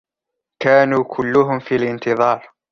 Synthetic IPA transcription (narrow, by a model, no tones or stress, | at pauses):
kaːnuːkʰʊlːʊɦʊmfiːalʔɪnt̪ɨðˤɑːɾˤ